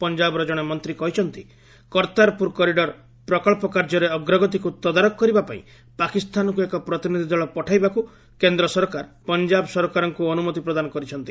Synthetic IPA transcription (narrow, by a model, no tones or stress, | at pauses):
pɔnd͡ʒabɔɾɔd͡ʒɔɽ̃emɔnt̪ɾikɔɦit͡ʃʰɔnt̪i | kɔɾt̪aɾpuɾkɔɾiɖɔɾ | pɾɔkɔɭpɔkaɾd͡ʒɔɾeɔɡɾɔɡɔt̪̬ikut̪ɔd̪aɾɔkɔkːɔɾibapa̰ḭ̃ | pakist̪anɔkuekɔpɾɔt̪inid̪ʱid̪ɔɭɔpɔʈʰajbaku | kend̪ɾɔsɔɾkaɾpɔnd͡ʒabɔsɔɾɔkaɾɔŋkuɔnumɔt̪ipɾɔd̪anɔkɔɾit͡ʃʰɔnt̪i̥